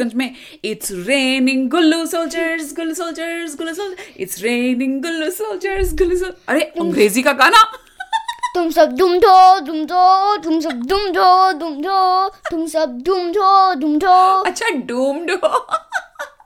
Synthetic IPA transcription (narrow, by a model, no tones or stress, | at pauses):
ɐ̃nt͡ʃmẽ | ɪʈsɾeːnɪ̃ŋɡɡʊlːusoːlt͡ʃəɾsɡʊlːusoːlt͡ʃəɾsɡʊlːusoːɪ̰ʈsɾeːnɪ̃ŋɡɡʊlːusoːlt͡ʃəɾsɡʊlːusoːɐɾeɐ̃ŋɡɾeːzikaɡaːna | t̪ʊmsɐb̚ɖuːmɖ̪ʱoːɖuːmd̪ot̪ʊms̬ɐb̚ɖuːmɖoduːmɖott̪ʊmsɐb̚ɖuːmɖoːɖuːmɖoɐtːt͡ʃʰaɖuːmɖo